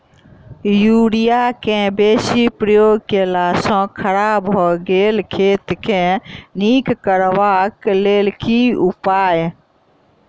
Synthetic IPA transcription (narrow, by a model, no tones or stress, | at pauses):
juɽijakẽbesipɾəjoɡkelasɔ̃kʰəɾabʱɔɡelkʰeːt̪kẽnikkəɾʋaklelkiupaːj